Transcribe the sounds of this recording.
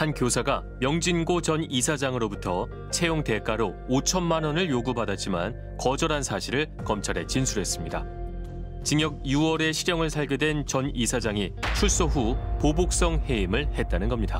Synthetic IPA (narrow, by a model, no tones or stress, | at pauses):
hankjosʰaɡa | mjʌŋd͡ʑinɡot͡ɕʌnisʰad͡ʑaŋɯɾobutʰʌ | t͡ɕʰe̞joŋte̞k͈aɾo | ot͡ɕʰʌnmanʌnɯɭjoɡupadat̚t͡ɕ͈ima̰n | kʌd͡ʑʌɾansʰaɕʰiɾɯɭ | kʌmt͡ɕʰaɾe̞t͡ɕinsʰuɾɦe̞s͈ɯmɲida | t͡ɕiŋjʌɡ̚juwʌɾe̞ɕʰiɾjʌŋɯɭsʰaɭɡjodwe̞nt͡ɕʌnisʰad͡ʑaŋit͡ɕʰuɭs͈oɸupobok̚s͈ʌŋhe̞imɯɭhe̞t̚t͈anɯnɡʌmɲida